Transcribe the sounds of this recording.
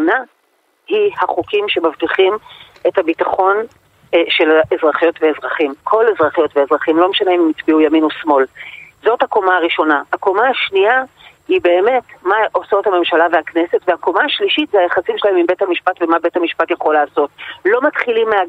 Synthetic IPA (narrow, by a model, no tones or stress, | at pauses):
na | hihaχukimʃe̞mavtiχim | e̞thabitaχo̞n | ʃelezʁaχijo̞tveːzʁaχimkʰo̞lezʁaχijo̞tveezʁaχimlo̞meʃaneimmit͡sbiujaminosmo̞lzo̞thakomaːʁiʃo̞nahako̞maaʃnia | hibe̞ːme̞tmaʔoso̞thame̞mʃalaveakne̞setvehako̞maːʃliʃitzeajaχasimʃelaemimbe̞thamiʃpatvemabe̞thamiʃpatjaχolaːso̞t̚lo̞matχilimea